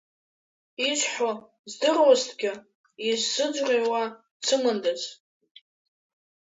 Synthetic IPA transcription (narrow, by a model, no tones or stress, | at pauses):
iʃʷħʷo | zdɨrwaztʰɡʲɪ | izsɨd͡ʒʷrʲewa | t͡sʰɨmɨndaz